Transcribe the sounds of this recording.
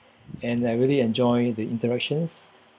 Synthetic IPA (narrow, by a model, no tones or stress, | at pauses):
ɛ̃najɹiliɛ̃nd͡ʒɔjdəĩntəɹɛk̚ʃə̃ns